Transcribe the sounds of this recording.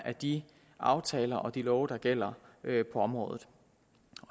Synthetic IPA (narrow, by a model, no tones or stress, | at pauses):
æd̥i | ʔɑ̈ʊt͡sʰɛːlɐʔɒ̽d̥ilɒʊd̥ɑ̈ɡ̥el̰ɐpʰɒ̽ɒ̽mʁɔ̰ːðˠð̩ˠ | ɒ